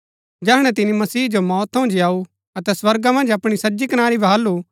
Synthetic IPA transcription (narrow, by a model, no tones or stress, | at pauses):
d͡ʒɛːɦɽ̃ɛt̪ɪnimɐsiːd͡ʒomɔːt̪ʰõːnd͡ʒiaːu | ɐt̪ɛswɐɾɡamɐ̃nd͡ʒɐpɽ̃isɐd͡ʒikɐnaːɾibʱɐɦaːlːu